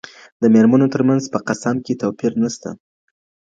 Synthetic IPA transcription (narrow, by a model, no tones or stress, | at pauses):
d̪əmeɾmanot̪əɾmanzpəqasamket̪apiɾnast̪a̰